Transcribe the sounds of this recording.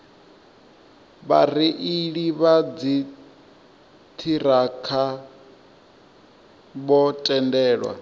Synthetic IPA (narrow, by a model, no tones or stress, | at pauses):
βariʔiɺiβad͡zi | tʰiɾakʰa | bɔtʼɛndɛːɺwa̰